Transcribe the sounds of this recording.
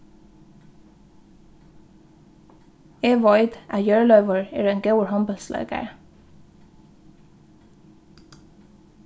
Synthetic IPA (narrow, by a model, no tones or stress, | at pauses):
eːʋɔʏd̪ʔæ̰ːjøːɹlœʏʋəɹḛːɹeːŋɡɑʉəɹhɑmbəlslɑ̰ːɡə̰ɹ